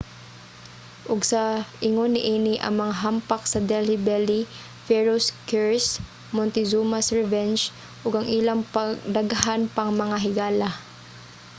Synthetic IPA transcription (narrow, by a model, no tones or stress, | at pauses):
ʔʊɡsɐʔɪŋonɪʔiːniʔɐ̰ŋmɐŋaɦampɐk̚sɐd̪ɛlhɪbɛli | fɛɹoskɛɹs | mɔnt̪ɪzumasɹɛvɛnd͡ʒ | ʔoɡɐŋʔɪlaŋpɐɡd̪ɐɡɐɦanpɐŋmɐŋaɦɪɡaːlɐ